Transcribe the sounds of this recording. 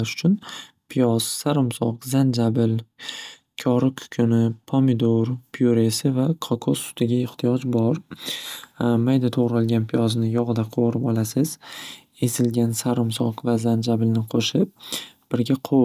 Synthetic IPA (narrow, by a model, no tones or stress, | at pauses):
ʃʊ̥t͡ʃʰʊn | pʰijɒz̥saɾʊmsɒqzand͡ʒabɪl | kʲʰɒɾɪkʲʰʊ̥kʲʰʊnɪpʰomɪd̪oɾpʰijoɾe̞sɪvakʰɒkʰosːʊ̥t̪ʰɪɡʲaɪht̪ʰɪjɒd͡ʒbɒɾ | majd̪at̪ʰoʁɾalˠɡʲanpʰijɒznɪjɒʁɨd̪aqʰoɾɪpɒlˠasɪz | e̞sɪlɡʲansaɾʊmsɒqvazand͡ʒabɪlnɪqʰoʃɪp̚b̥ɪɾɡʲaqʰo